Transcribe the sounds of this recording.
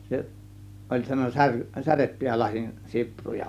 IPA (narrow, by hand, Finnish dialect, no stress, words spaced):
se olʲ sɑno sær særetːyjæ lɑsin siprujɑ